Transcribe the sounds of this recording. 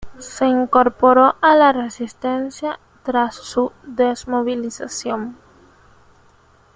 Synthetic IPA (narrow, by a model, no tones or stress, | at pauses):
se̞iŋkoɾpoɾoʔalaresist̪ensja | t̪ɾasːud̪esmoβilisasjoŋ